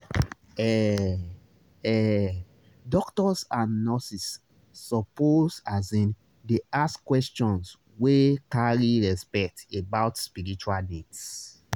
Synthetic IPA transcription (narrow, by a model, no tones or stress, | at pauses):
ɛ | ɛ | dɔktɔsãnːɔsisː | ɔposazɛ̃n | deaskwɛst͡ʃɔ̃ns | wekaɹiɹɛspɛk̚tebaʊtspiɹit͡ʃualdɛts